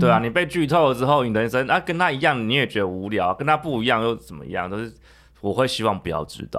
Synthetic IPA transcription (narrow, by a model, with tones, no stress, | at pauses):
t̪we˥˩ɪa˨ni˨˩pe˥˧ɪt͡ɕy˥˧t̪ʰo˥˩ʊlə˩ʈ͡ʂɻ̩˥xo˥˩ʊni˨˩ə˧˦nʂə˦na˥˩kə˥nt̪ʰa˥i˧˥jɑ˥˨˩ŋni˨˦jɛ˨˩t͡ɕɥɛ˧˥d̪ə˨u˧˥ljɑ˨˦ʊ˨˩kə˧˦nt̪ʰa˦˥pu˥˩i˧jɑ˥˧ŋjo˥˧ʊt͡sə˨˩mə̰˨˩ḭ˧jɑ˥˧ŋt͡ɕjo˥˧ʊʂɻ̩˥˩ | wɔ˨˩xwe˥˩ɪɕi˥wɑ˥˩ŋpu˧˥jɑ̰˥˧ʊʈ͡ʂɻ̩̰˨˩t̪